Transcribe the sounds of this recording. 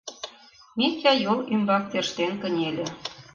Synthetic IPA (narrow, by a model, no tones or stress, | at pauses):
mitʲɑjolymbɑk̚t̪erʃt̪enkə̆nʲelʲĕ